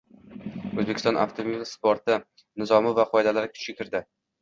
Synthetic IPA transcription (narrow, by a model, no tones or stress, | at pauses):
ɵzbekʲɪ̥st̪ɒ̃nʔa̰ft̪ʰomispoɾt̪ɪ | nɪzɒmɪvaqʰɒed̪alaɾɪkʲʰʊ̥t͡ʃɡʲɪkʲʰɪɾd̪ɪ